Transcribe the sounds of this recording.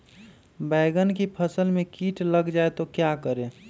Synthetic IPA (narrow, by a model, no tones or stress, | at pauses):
bɛːɡənkipʰəsəlmẽkiːʈləɡd͡ʒaːet̪okjakəɾe